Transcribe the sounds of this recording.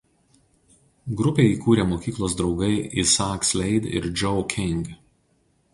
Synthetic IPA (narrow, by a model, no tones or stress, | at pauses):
ɡɾʊpʲeːiːkuːɾʲeːmoːkʲiːklˠoːs̬d̪ɾɒʊɡɐɪʔisaːksʲlʲɛɪd̪ɪ̰ɾd͡ʒʲɔʊkʲʰɪŋɡ